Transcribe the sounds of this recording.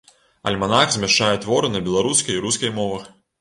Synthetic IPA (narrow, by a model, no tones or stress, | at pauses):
ɐ̰lʲmanaxzʲmʲaʂt͡ʂajɛt̪vɔɾɨnɐbʲɛlˠaɾuskɐjɾuskɐjmɔvɐx